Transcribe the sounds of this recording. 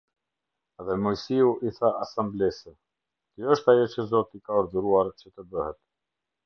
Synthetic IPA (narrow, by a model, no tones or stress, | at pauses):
ɛðɛmɔjsiuʔiθaasamblɛsə | k̪jəʃt̪ajɔt͡ɕəzɔt̪ikaɔɾðuɾuaɾt͡ɕət̪əbəhɛt̪̚